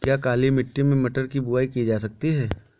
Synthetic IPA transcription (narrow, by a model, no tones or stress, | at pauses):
kjaːkaːlimɪʈːimẽmɐʈəɾkibʊaːikid͡ʒaːsɐk̚t̪iɦɛː